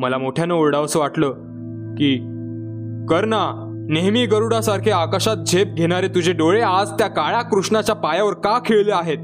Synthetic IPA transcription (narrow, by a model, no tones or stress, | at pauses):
məlamoʈʰjanəoɾɽaʋsəʋaʈləː | kiː | kəɾna | neɦmiːɡəɾuɽasaɾkʰeakaɕat̪̚d͡ʑʱep̚ɡʱeɽ̃aɾet̪ud͡ʑʱeɖoɭead͡zt̪jakaɭakɾuʂɳat͡ɕjapajaʋəɾkakʰeɭleaɦet̪̚